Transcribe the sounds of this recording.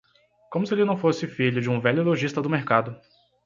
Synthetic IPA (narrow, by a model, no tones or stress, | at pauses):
kõmʊsɪelɪnɐ̃w̃fosɪfiʎʊd͡ʒɪũvɛʎʊeloʒist̪ɐd̪ʊmeɾkad̪ʊ